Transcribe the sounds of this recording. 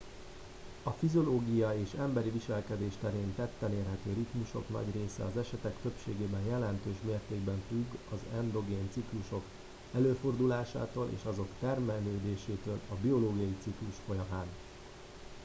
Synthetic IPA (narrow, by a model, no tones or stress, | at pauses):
ɒfizo̞loːɡijɒeːʃɛmbɛɾiviʃɛlkɛd̪eːʃt̪ɛɾeːnt̪ɛt̪ːɛleːrɦɛt̪øːɾit̪muʃo̞̰knɒ̰ɟreːsɛ̰ɒzɛʃɛt̪ɛkt̪ø̞pʃeːɡeːbɛnjɛlɛnt̪øːʃmeːrt̪eːɡbɛɱfyɡɒzɛnd̪o̞ɡeːnt̪sikluʃo̞k | ɛløːfo̞rd̪ulaːʃa̰ːt̪oːlʔḛːʃɒzo̞kt̪ɛrmɛlːøːd̪eːʃeːt̪øːlɒbio̞loːɡiɒjit̪sikluʃfo̞jɒmaːn